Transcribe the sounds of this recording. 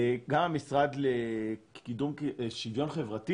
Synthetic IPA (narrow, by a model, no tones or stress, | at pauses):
ɡamamisʁadlekidumʃidjo̞nχevʁati